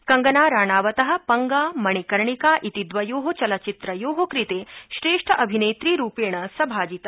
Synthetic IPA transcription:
kɐŋɡɐnaːɾaːɳaːʋɐt̪ɐɦɐ̆pɐŋɡaːmɐɳikɐɾɳikaːʔit̪id̪ʋɐjoːɦot͡ʃɐlɐt͡ʃit̪ɾɐjoːɦokɾit̪eːʃɾeːʂʈʰɐʔɐbʱineːt̪ɾiːɾuːpeːɳɐsɐbʱaːd͡ʒit̪ɐ

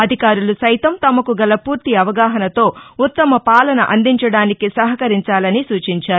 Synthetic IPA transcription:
ɐd̪ʱikaːɾulusɐjt̪ɐmt̪ɐmɐkuɡɐlɐpuːɾt̪iɐʋɐɡaːɦɐnɐt̪o̞ːut̪ːɐmɐpaːlɐnɐʔɐnd̪iɲt͡ʃɐɽaːnikisɐɦɐkɐɾiɲt͡ʃaːlɐnisuːt͡ʃiɲt͡ʃaːɾu

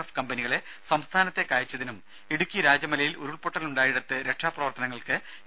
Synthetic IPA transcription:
ɐfkɐmbɐniɣɐɭe̞ | sɐmst̪ʰaːnɐt̪ːe̞kaːjit͡ɕːɐðinum | eɽukʲːijɐɾaːd͡ʑjɐmɐlɐjiluɾuɭpo̞ʈːɐluɳɖaːjiɽɐt̪ːɨɾe̞kʂaːprɐʋɐrt̪ɐnɐŋːɐɭkɨ

